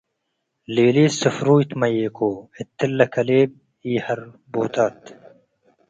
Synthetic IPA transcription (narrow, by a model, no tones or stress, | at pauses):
leːliːsɐfɾuːjt̪mɐjeːkoːit̪ːɪlːɐkʰɐleːb̚ | iːhɐɾ | bo̰ːt̪at̪